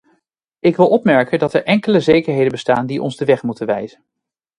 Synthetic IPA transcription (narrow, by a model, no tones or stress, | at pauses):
ɪkʋɪlˠɔpmɛɹkəndɑtɛɹʔɛŋkələzejkəɹɦejdənbəstaːndiʔɔ̰nzdəʋɛχmutənʋɛjz̥ən